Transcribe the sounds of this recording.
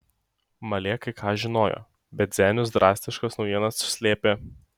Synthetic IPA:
mɐlʲeːkɐɪkʰɑːʒʲɪnoːjo̰ː | bʲɛt̪ʲzʲæːnʲʊs̬d̪ɾʔɑːsʲt̪ʲɪʃkɐsnɒʊjiɛnɐsːʊ̥sʲlʲeːpʲe

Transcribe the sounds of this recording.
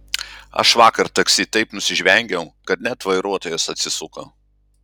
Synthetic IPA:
ɐ̰ʃʋɑːkɐɾt̪ɐksʲiːt̪ɐɪpnʊsʲɪʒʲʋʲɛŋʲɡʲɛʊkɐt̪nʲæt̪ʋɐɪɾuɔt̪oːjɛsɐt̪ʲsʲɪsʊko

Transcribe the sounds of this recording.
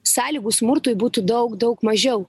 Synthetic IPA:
sɑːlʲiːɡuːsmʊɾt̪uːjbuːt̪uːd̪ɐʊkd̪ɐʊkmɐʒʲɛʊ

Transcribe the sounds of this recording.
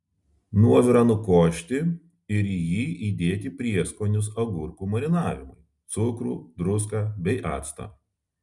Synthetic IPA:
nuɔʋʲɪɾɑːnʊkoːʃʲt̪ʲɪ | ɪɾjiːʔiːd̪ʲeːt̪ʲipʲɾʲiɛskoːnʲʊsɐɡʊɾkuːmɐɾʲɪnɑːʋʲɪmʊɪ | t̪sʊkɾṵːd̪ɾʊs̬kɑːbʲɛɪʔɑ̰ːt̪st̪ɐ̰ː

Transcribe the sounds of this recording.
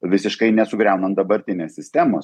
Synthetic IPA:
ʋʲɪsʲɪʃkɐɪnʲɛsʊɡɾʲɛʊnɐnt̪̚d̪ɐbɐɾʲt̪ʲɪnʲeːsʲsʲɪsʲt̪ʲæːmoːs

